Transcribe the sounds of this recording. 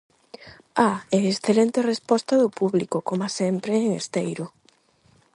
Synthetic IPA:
aeesθelent̪erespɔst̪aðʊpuβlikʊkomasɛmpɾeeŋest̪ejɾʊ

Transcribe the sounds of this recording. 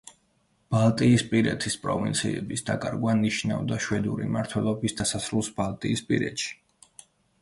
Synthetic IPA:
b̥alˠt̪ʼiːspʼiɾɛt̪ʰispʼɾɔvint̪sʰiɛbisd̪akʼaɾɡwaniʃna̰vd̪aʃwɛd̪uɾimaɾt̪ʰwɛlˠɔbisd̪asasɾulˠsbalˠt̪ʼiːspʼiɾɛ̰t̪ʃi̥

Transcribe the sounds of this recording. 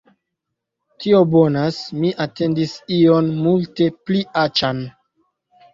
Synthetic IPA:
tio̞bonasmiʔate̞ndisio̞nmulte̞pliʔat͡ʃan

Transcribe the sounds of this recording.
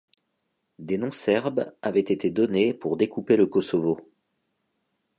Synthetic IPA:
d̪enɔ̃sɛʁbavɛt̪et̪ed̪ɔnepuʁd̪ekupeləkɔsɔvo

